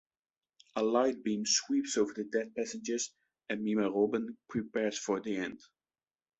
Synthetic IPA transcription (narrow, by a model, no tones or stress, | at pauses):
əlaɪt̚b̥ĩmswipsoʊvə˞ðɨdɛθ̚pæsɨ̃nd͡ʒəz | ɨ̃nmĩməɹobə̃npʰɹ̥ipɛɹz̥fə˞ðiɛ̃nd̥